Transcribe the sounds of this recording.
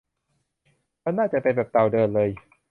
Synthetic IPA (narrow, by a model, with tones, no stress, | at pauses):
ma˧˥˩naː˥˩t͡ɕa˨˩ʔpe˧nbɛː˨˩p̚t̪a˨˩wdɤː˧nlɤː˧j